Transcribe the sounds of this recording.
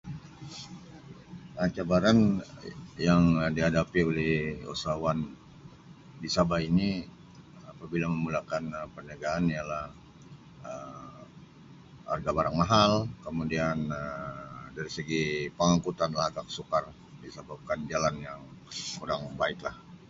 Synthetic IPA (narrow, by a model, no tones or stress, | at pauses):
ət͡ʃabaɾan | jaŋdiɦadapiolɛhṵsawan | disabaini | apabilaməmulakanəpərnaɡaːnijalahh | əm | a̰rɡabaɾaŋmaɦalkəmudianədaɾisəɡipəŋaŋkut̪anlahɡaksukar | disəbap̚kand͡ʒalanjaŋkuɾaŋbaɪklah